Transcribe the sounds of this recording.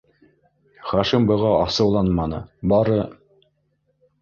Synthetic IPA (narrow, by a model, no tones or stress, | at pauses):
χɑʃimbɤ̆ʁɑɑsɤ̆wlˠɑnmɑnɤ̰bɑɾɤ